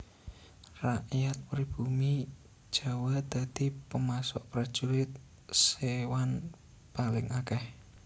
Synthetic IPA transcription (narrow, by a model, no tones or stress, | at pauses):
raʔjat̪̚pɾib̥umi | d̥ʒ̥a̤wad̪̥a̤d̪̥i̤pəmasɔ̰ʔpɾad̥ʒ̥ulɪt̪̚ | sewan | palɪŋakɛh